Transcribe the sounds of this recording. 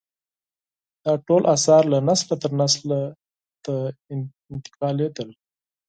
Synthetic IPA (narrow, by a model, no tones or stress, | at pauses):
d̪̥ɑʈolʔasɑɾlanaslat̪əɾnasla | t̪a | ɪnt̪ɪ̥qɑled̪əl